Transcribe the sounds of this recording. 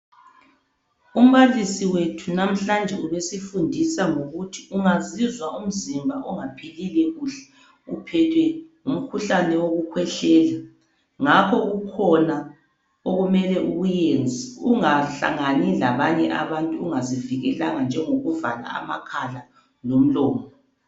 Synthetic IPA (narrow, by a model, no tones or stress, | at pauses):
um̩βalisiwetʰunam̩ɬand͡ʒʱɛuβesifundʱisaŋoɣutʰiuŋazizwaum̩zimbʱaʔɔŋapʰelilɛɣuɬɛ̥ | upʰɛtʰwɛ | um̩kʰuɬanɛoɣukʰwɛɬɛːla | ŋakʰɔɣukʰɔna | oɣumɛlɛʔuɣujend͡zʱiuŋaɬa̰ŋanilaβaɲɛʔa̰βantʼuːŋaziviɣɛlaŋand͡ʒʱɛŋoɣuvala̰a̰ma̰kʰala | lom̩lɔːmɔ